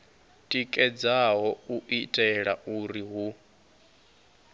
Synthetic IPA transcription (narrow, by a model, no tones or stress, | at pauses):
tʼikʼɛd͡zaɦɔuʔitʼɛɺaʔuɾiɦu